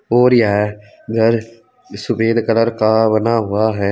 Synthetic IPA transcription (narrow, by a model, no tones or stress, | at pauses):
oːɾjaɦ | ɡʱɐɾ | sʊbeːd̪kələɾkaʋɐnaɦʊaɦɛː